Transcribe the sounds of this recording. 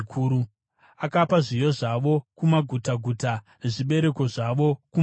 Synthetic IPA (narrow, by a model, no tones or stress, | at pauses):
kʰuːɾu | akapaʐijo̞ʐaʋo̞kumaɡʱutaɡʱuta | ʐiɓe̞ɾe̞ko̞ʐaʋo̞ku